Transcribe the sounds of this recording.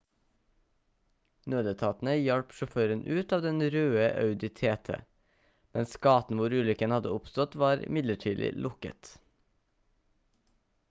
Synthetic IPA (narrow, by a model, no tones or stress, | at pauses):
nøːd̪ət̪ʰɑːt̪n̩əjɑɽpʃʊføːɾənʔʉːt̪ɑːʋd̪ɛnɾøːəʔɑʉd̪ɪt̪ʰeːt̪ʰə̰ | mɛnsɡɑːt̪n̩ʋʊɾʉːlʏkənhɑd̪əʊpst̪ɔt̪ʋɑːɾɪ̰mɪd̪ləʈʰiːd̪ɪ̰lʊkə̰t̪